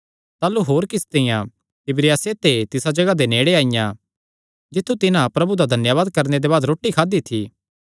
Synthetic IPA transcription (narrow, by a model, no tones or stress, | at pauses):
t̪aːluɦoːɾkɪst̪ejã | ɪbɾɪjaːset̪et̪ɪsad͡ʒɐɡad̪eneːɽeaːijã | d͡ʒɪt̪ʰːut̪ɪnãpɾɐbud̪ad̪ʱɐnjaʋaːd̪̚kɐɾned̪ebaːd̪ɾoːʈːikʰaːd̪it̪ʰiː